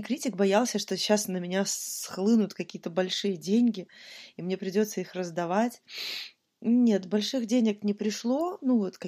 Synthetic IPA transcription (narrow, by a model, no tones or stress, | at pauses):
kɾʲitʲɪk̚bɐjalˠsʲəʂt̪o̞ɕːasnəmʲɪnʲasxlˠɨnʊt̪kɐkʲijət̪əbɐlʲʂɨjədʲenʲɡʲɪimnʲe̞pɾʲɪdʲo̞t̪səixrəzd̪ɐvatʲ | nʲe̞t̪bɐlʲʂɨɣdʲenʲɪknʲɪpɾʲɪʂlˠo̞nuvot̪kɐ